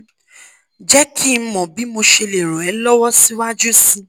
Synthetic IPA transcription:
d͡ʒɛ˦kʰi˦˨˦mɔ̃˨bi˨˦mo˧ʃe˧le˨ɾo˨ɛ˨˦lɔ˦wɔ˦si˦wa˦d͡ʒu˦sĩ˧

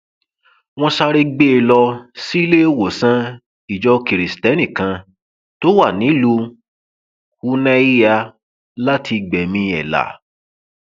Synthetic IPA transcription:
w̃ɔ̃˧ʃa˧ɾe˧ɡ͡be˦e˧lɔ˧si˦i˦le˦wo˨sã˦ | i˨d͡ʒɔ˧ki˨ɾi˨stɛ˦nĩ˨kã˧ | to˦wa˦˨nĩ˨˦lu˧ | hu˧˦nɛ̃˦i˦ja˧ | la˦tʰi˧ɡ͡bɛ˨mĩ˧ɛ̰˨la̰˨

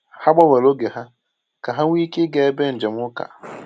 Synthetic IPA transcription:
ha˦ɡ͡bɔ˦we˨lo˦ɡe˨ɦa˦ | ka˨ɦa˦ŋʷ˦i˦kɪ˦ɡe˨˦be˦n̩˨d͡ʒe˨m̩˦ʊ˦ka̰˨

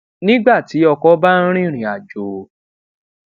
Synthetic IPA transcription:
nĩ˦ɡ͡ba˦˨ti˨˦ɔ˧kɔ˦ba˦ɾ̃ĩ˦˨ɾ̃ĩ˨a˨d͡ʒo˨

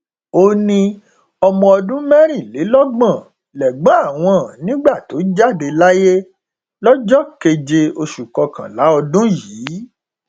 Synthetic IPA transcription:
o˧nĩ˧ | ɔ˧mɔ̃˧ɔ˧dũ˦mɛ̃˦ɾ̃ĩ˦˨le˨˦lɔ˦ɡ͡bã˦˨ | lɛ˨ɡ͡bã˨˦a˦˨w̃ɔ̃˨˦nĩ˦ɡ͡ba˦˨to˨˦d͡ʒa˦˨de˧la˦je˦ | lɔ˦d͡ʒɔ˦ke˧d͡ʒe˧o˧ʃu˨kɔ˧kã̰˨la˨˦ɔ˧dũ˦jiː˨˦

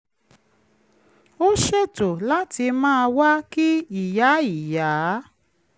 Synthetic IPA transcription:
o˦ʃe˦˨to˨la˦ti˧mãː˦˧wa˦ki˦i˨ja˨˦i˨ja˨˦

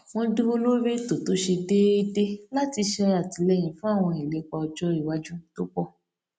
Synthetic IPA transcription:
w̃ɔ̃˧du˦bo˦lo˦be˦to˨to˨˦ʃe˧de˦i˦de˦la˦ti˧ʃɛ˧ɾa˨ti˨˦lɛ˦j̃ĩ˨˦fũ˦a˦˨w̃ɔ̃˧i˨le˨˦k͡pa˧ɔ˧d͡ʒɔ˦i˦˨wa˨˦d͡ʒũ˦to˦k͡pɔ˦˨

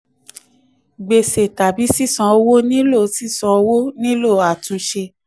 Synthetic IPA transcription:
ɡ͡be˨se˨ta˨bi˨˦si˦˨sɔ̃˨˧o˧wo˦nĩ˦lo˦˨si˦˨sɔ̃˧o˧wo˦nĩ˦lo˦˨a˨tũ˨˧ʃe˧

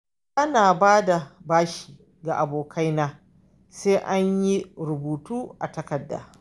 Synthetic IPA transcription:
ʔa˦naː˨baː˦da˨baː˦ʃi̥ː˨ | ɡa˨ʔa˨boː˨kʰa˦jnaː˦ | seː˦ʔa˦ɲji˦ɾʊ˨buː˨tuː˦ʔa̰˨tɐ˦kɐ˨dːa̰ː˨

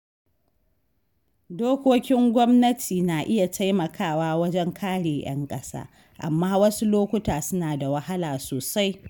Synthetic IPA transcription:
doː˦kʷoː˦kʲɪ˦ŋɡʷɔ˦mnɐ˦tʰiː˨naː˨ʔɪ˦ja˨tʰa˦jmɐ˨kʰaː˦˨waː˦wɐ˦d͡ʒɛ˦ŋkʰaː˦ɽeː˨j̰ɐ̰˦ŋkʼɐ˦sa̰ː˦ | ʔa̰˨mːaː˦wɐ˦su˦loː˦kʷʊ˦taː˨sʊ˦naː˨da˨wɐ˦ha˦laː˨soː˨sa˦j

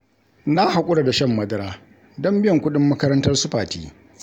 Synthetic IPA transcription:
na˦ha˨kʷʼʊ˦ɽa˨da˨ʃɐ˦˨mːɐ˦dɐ˦ɾaː˦ | dɔ˦mbɪ˦jɔ˨ŋkʷʊ˦ɗɪ˦mːɐ˦kɐ˦ɾɐ˦ntɐ˦rsʊ˦ɸaː˨tḭː˦

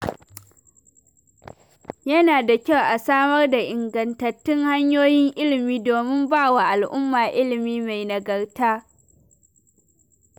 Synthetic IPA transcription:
jɐ˦naː˨da˨kʲa˦˨wʔa˨saː˦mɐ˦rda˨ʔɪ˨ŋɡɐ˨ntɐ˨tːɪ˦ŋha˦ɲjoː˦jɪ˦ŋʔɪ˦lɪ˨miː˦doː˨mɪ˦mbaː˦˨wa˨ʔa˨lʔʊ˦mːaː˨ʔɪ˦lɪ˨miː˦ma˨jnɐ˨ɡɐ˨rtaː˦

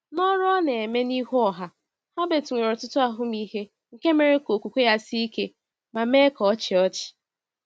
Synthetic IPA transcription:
nɔ˦ɾne˨e˨me˦ni˦ɦu˦ɔ˨ɦa˦ | ha˦be˨tu˨ŋʷe˨ɾɔ˨tʊ˦tʊ˦a˨ɦʊ˦mi˦ɦe˦ | ŋ̩˨ke˦me˨ɾe˦ko˨kʷu˨kʷe˦ja˦si˦i˦ke˦ | ma˨me˦kɔ˨ɔ˦t͡ʃɪ˨ɔ˦t͡ʃɪ̥˨

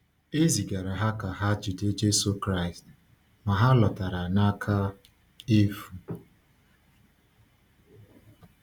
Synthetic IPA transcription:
e˦zi˨ɡa˨ɾa˨ɦa˦ka˨ɦa˦d͡ʒu˨de˦d͡ʒe˦so˦kɾa˦ɪ˨st | ma˨ɦa˦lɔ˨ta˨ɾa˨na˦kʰa˦ | e˦fu˨

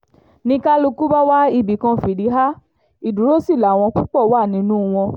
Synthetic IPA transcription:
nĩ˧ka˦lu˧ku˦ba˦wa˦i˧˨bi˨kã˧fi˨di˨˦ɦa˦ | i˨du˨ɾo˦si˦˨la˨w̃ɔ̃˧k͡pu˦k͡pɔ˦˨wa˦˨nĩ˨˦nũ˦˧w̃ɔ̃˧

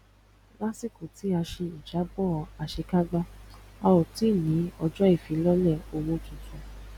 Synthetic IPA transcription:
la˦si˦˨ku˨ti˨˦a˧ʃe˧i˨d͡ʒa˨˦bɔ˦˨˧a˨ʃe˧ka˦ɡ͡ba˦a˧wo˨ti˨˦˨nĩ˨˦ɔ˧d͡ʒɔ˦i˦˨fi˨˦lɔ˦lɛ˦˨o˧wõ˧tũ˨sũ˨˦

